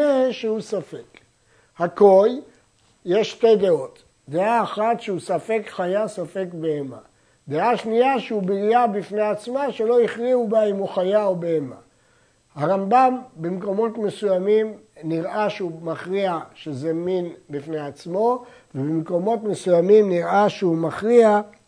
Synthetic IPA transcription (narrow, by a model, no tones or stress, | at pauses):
eʃehusafek | hako̞j | je̞ʃte̞jdeo̞t̪ | d̪eaːχat̪ʃeusafe̞kχajasafe̞kbeema̰ | d̪eaʃniaʃeubiʁijabifneat͡smaʃe̞lo̞iχʁiubaimoχajaobeema | haʁambambemko̞mo̞tme̞sujamimniʁʔaʃeumaχʁiaʃezeminbifnejat͡smo̞ | vebimko̞mo̞tme̞sujamimniʁaʃeumaχʁia